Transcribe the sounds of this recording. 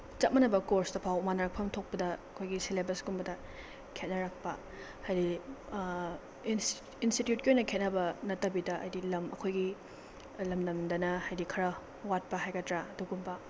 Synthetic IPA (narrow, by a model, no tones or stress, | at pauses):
t͡ʃɐt̚mɐnɐbɐkoɾsdɐpʰawmanaɾɐk̚pʰɐmtʰok̚pɐdɐɐkʰojɡisilebɐsɡumbɐdɐ | kʰet̚nɐɾak̚pɐ̰ | hajdi | ins | institjut̚kiojnɐkʰet̚nɐbɐnɐtːɐbidɐʔɐ̰jdilɐmɐ̰kʰojɡi | lɐmdɐmdɐnɐhajdikʰɐɾɐ | wat̚pɐɦajɡɐtɾaɐduɡumbɐ